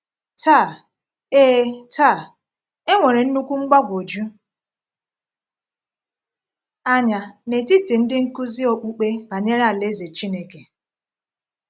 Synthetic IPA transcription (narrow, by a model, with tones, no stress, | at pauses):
taː˦˨ | eː˦ta˦˨ | e˦ŋʷe˨ɾe˨n̩˦nu˦kʷu˦ŋ͡m̩˦ɡ͡ba˦ɡʷo˨d͡ʒu˦ | a˦ɲa˨ne˨ti˦ti˨n̩˦dɪ˦ŋ̩˦ku˦zi˦o˨k͡pu˦k͡pe˦ba˨ɲe˦ɾa˨le˦ze˨t͡ʃi˦ne˦ke˨